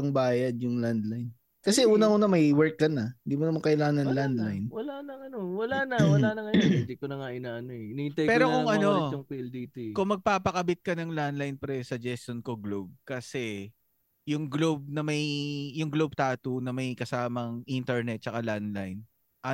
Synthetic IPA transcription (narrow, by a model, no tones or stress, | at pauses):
ɐŋbaːjɐd̪̚jʊŋland̪lajn | kɐsɛuːnɐʔuːnɐmɐjwɛɹkːɐnɐɪnd̪iːmonɐmaŋkɐʔɪlaːnɐnnland̪lajnwɐlanɐŋɐnowɐlanɐwɐlanɐŋɐjnd̪ikonɐŋaʔɪnaʔɐnoɛɪnɪ̃nt̪ajpɛːɾokʊŋʔɐno̞ʊŋpild̪it̪kʊŋmɐɡ̚paːpɐkɐbɪt̪̚kɐnɐŋland̪lɐjnpɾɛsɐd͡ʒɛst̪onkoɡlob̚kɐsɛ | jʊŋɡlob̚nɐmɐjjʊŋɡlob̚t̪aːt̪unɐmɐjkɐsaːmɐŋʔint̪ɛɹnɛt̪̚t͡ʃɐkaland̪lajn | ʔɐ